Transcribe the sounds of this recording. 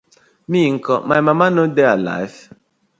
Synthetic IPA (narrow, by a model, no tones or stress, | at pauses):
miŋ̩kɔmajmamanodeala̰jv